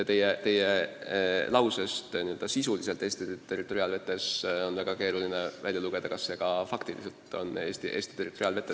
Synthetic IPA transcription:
t̪e̞jet̪e̞je | lʔɑwse̞st̪niø̞ld̪ɑsisulise̞lt̪ːˑe̞ːst̪it̪ːe̞rˑit̪ːˑo̞ɾiɑlve̞t̪ˑːe̞so̞nvæɡ̥ɑkeːɾuline̞vælʲjɑluɡ̥e̞d̪̥ɑkɑsːe̞ɡ̥ɑfɑkt̪ilḭselt̪o̞̰ne̞ːst̪iʔe̞ːst̪i̥t̪e̞rˑit̪ːˑo̞ɾiɑlve̞t̪ːˑe

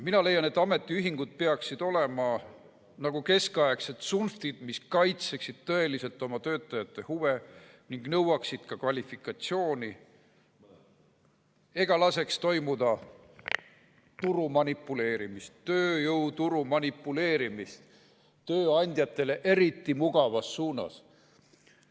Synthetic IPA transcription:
minɑle̞jɑne̞t̪ːˑɑme̞t̪ːˑiyɦiŋɡ̥ud̪̥̚pe̞ɑksid̪̥o̞le̞mɑ | nɑɡ̥uke̞skɑjekset̪sunft̪id̪̥miskɑjt̪se̞ksid̪̥t̪ɤe̞lise̞lt̪ːˑo̞mɑt̪ø̞ːt̪ːˑɑjɑt̪ːˑe̞huve̞ | niŋɡ̥nɤwɑksid̪̥kɑkvɑlʲifikːˑɑt̪sio̞ːni | e̞ɡ̥ɑlɑse̞kst̪o̞jmud̪̥ɑ | t̪uɾumɑnipːˑule̞ːɾimist̪ːø̞ːjɤwt̪uɾumɑnipːˑule̞ːɾimist̪ | t̪øːɑnʲd̪̥ʲjɑt̪ːˑe̞le̞ʔe̞ɾit̪ˑːimuɡ̥ɑvɑsːuːnɑ̰s

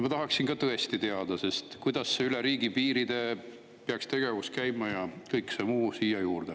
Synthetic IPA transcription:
mɑt̪ɑɦɑksinkɑt̪ɤe̞st̪it̪e̞ɑd̪̥ɑse̞st̪kujd̪̥ɑsːeyleɾiːɡ̥ipiːɾid̪̥e̞ | peɑkst̪e̞ɡ̥e̞vuskæjmɑjɑkɤjksemuːsiːjɑjuːrd̪̥e

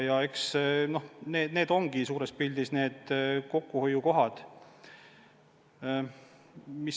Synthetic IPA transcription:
jɑe̞ksno̞hneːd̪ne̞ːd̪o̞ŋɡ̥isuːɾe̞spild̪̥isne̞ːd̪̥ko̞kːˑuhojuko̞ɦɑd̪̥ | mis

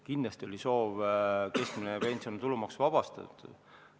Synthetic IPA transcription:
kind̪lɑst̪io̞lʲiso̞ːvke̞skminepe̞nʲsiont̪ulumɑksvɑb̥ɑst̪ɑ̰t̪ːṵ̥

